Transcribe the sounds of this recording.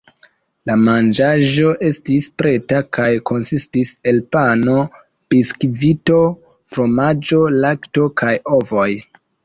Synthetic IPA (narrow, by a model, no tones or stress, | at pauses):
lamand͡ʒaʒo̞ʔe̞stispɾe̞takajko̞nsistise̞lpano̞ | b̥iskvito̞ | fɾo̞mad͡ʒo̞lakto̞kajo̞vo̞j